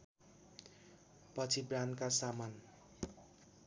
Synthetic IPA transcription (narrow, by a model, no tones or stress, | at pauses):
pʌt͡sʰibrankasaman